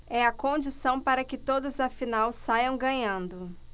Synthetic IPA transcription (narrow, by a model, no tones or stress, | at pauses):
ɛɐkõd͡ʒisɐ̃w̃paɾɐkɪt̪od̪ʊzɐfinawsajɐ̃w̃ɡɐ̃ɲɐ̃nd̪ʊ